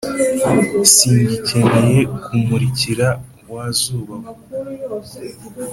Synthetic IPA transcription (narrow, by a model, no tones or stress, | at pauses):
siːɲɟice̞neje̞kʰumuɾiciɾa | waːzuːβa